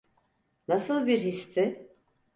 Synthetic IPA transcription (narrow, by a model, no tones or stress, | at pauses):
nasɯlˠbiɾhist̪ʰɪ